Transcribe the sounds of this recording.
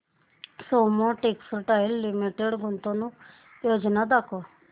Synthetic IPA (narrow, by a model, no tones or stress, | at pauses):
somõʈekslʈajlːimiʈeɽɡʱʊnt̪õnũ | joːd͡ʒnad̪akʰo